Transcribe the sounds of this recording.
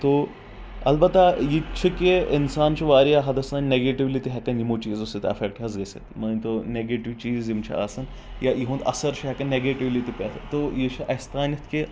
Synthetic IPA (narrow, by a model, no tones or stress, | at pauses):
t̪o | ɐlbɐt̪ːajit͡ʃʰikeɪnsaːnt͡ʃʰiʋaːɾiaɦɐd̪ɐsaːnʲneɡeːʈiʋlit̪iɦɛkɐnjimuːt͡ʃizosit̪ɐ̰fek̚ʈɦɐzɡɐsḛt̪mɐnʲt̪oneɡeːʈiʋt͡ʃiːzzjimt͡ʃʰḭa̰ːsɐn | jajiɦũnd̪ɐ̰sɐɾt͡ʃʰiɦɛkɐnːeɡeːʈiʋlit̪upʲeːt̪ʰt̪ojit͡ʃʰiʔɐst̪aːnʲɐt̪ʰki